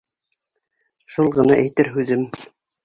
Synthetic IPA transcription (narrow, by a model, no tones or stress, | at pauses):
ʃulˠʁɤ̆nɑʔæjt̪ɘɾɦʉðɘm